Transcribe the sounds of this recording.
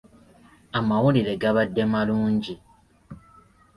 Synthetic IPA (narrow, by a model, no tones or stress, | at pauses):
amawuliɾe̞ɡaβadːe̞maluːɲɟi